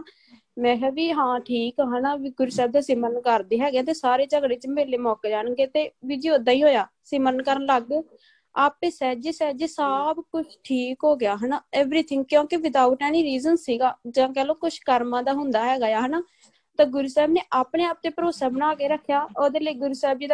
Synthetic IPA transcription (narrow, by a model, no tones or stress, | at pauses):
mɛ̃ːkɛːʋiːɦãːʈʰiːkaɦənaːʋiːɡʊɾuːsɛːb̚d̪aːsimənkəɾd̪eːɦɛːɡjaːt̪eːsaːɾeːt͡ʃəɡɽeːt͡ʃəmeːleːmɔːkeːd͡ʒaːɽɡeːt̪eːʋiːd͡ʒiːoːd̪aːiːɦoːjaː | siːmənkəɾənləɡ̚ː | aːpeːsɛːd͡ʒeːsɛːd͡ʒesəbkʊt͡ʃʰʈʰiːkɦoːɡɪjaːɦənaːɛːʋɾiːt̪ʰɪ̃ŋɡ̚kjõːkiʋɪd̪aːʊʈɛːniːɾiːzənːiːɡaːd͡ʒãːk̬ɛːloːkʊt͡ʃʰkəɾmãːd̪aːɦʊnd̪aːɦɛːɡaːjaːɦənaː | t̪aːɡʊɾuːsɛːbneːʔaːpneːaːp̚t̪eːpəɾoːsaːbənaːkeːɾəkʰːjaːoːd̪eːləiːɡʊɾuːsɛːb̚d͡ʒiːd̪